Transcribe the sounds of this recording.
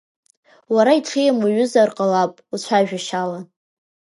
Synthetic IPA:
waɾaiʈ͡ʂʰejamaɥʊzarqʼalapʼut͡ɕʷʰaʒᶣaʃala

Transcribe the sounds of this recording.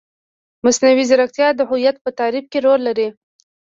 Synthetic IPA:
masnawizaɾakt̪jɑd̪əɦʊjat̪̚pət̪ɑɾib̚keɾolːaɾi

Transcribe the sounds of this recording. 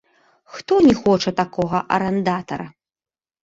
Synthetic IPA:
xt̪ɔnʲɛxɔt͡ʂɐt̪akɔɣɐʔɐ̰ɾɛnd̪at̪ɐ̰ɾɐ

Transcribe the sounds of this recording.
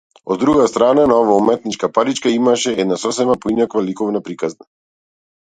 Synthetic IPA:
ɔd̪ːɾuɡast̪ɾananaɔvaumɛt̪̚nit͡ʃkapaɾit͡ʃkaimaʃɛɛd̪nasɔsɛbapɔinakvalikɔvnapɾikazna

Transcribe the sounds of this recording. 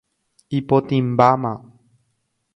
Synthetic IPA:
ipot̪ĩmbamã

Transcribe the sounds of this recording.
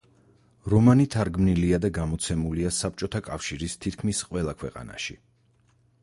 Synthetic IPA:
ɾɔmanit̪ʰaɾɡmniliad̪aɡamɔt̪sʰɛmuliasap̚ʰt͡ʃʼɔt̪ʰakʼafʃiɾist̪ʰit̪̚ʰkʰmisqʼwɛlˠakʰwɛqʼa̰na̰ʃi

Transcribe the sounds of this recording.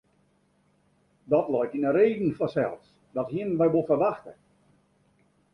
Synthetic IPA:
dɔtlɔjtinəreːdn̩fɔsɛ̰lˠs | dɔthiənʋɛjʋolˠfərʋaxtə

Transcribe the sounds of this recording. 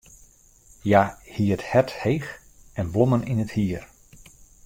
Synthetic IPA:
jahiəthɛthejx | ɛnboməninəthiər

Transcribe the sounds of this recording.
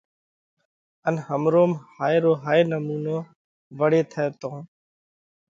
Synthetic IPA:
ənhəmɾoːmhaːjɾoːɦaːenəmuːnoː | ʋəɽeːt̪ʰɛːt̪õː

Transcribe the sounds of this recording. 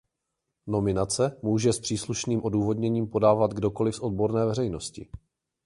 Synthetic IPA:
no̞mɪnat͡sɛmuːʒɛspr̝̥iːsluʃniːmʔo̞duːvo̞dɲɛɲiːmpo̞daːvad̪ɡdo̞ko̞lɪfsʔo̞d̚bo̞ɾnɛːvɛrɛjno̞scɪ̰

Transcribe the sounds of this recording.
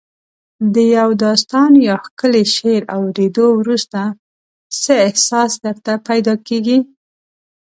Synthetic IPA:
d̪əjawd̪ɑst̪ɑnjɑxkəleʃeɾawɾed̪owɾust̪a | səɪhsɑsd̪əɾt̪apajd̪ɑkeɡi

